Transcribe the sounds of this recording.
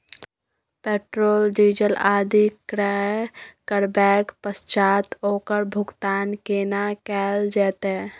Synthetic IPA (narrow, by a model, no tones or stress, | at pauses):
peʈɾoːld͡ʒid͡ʒəlad̪ʱikɾə | kəɾbɛkpəst͡ʃaːt̪oːkəɾbʱʊɡt̪aːnkenakɛld͡ʒɛt̪ɛ